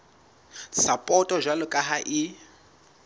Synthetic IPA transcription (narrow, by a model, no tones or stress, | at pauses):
sapʼɔtʼɔʒwalʊkʼaɦaʔi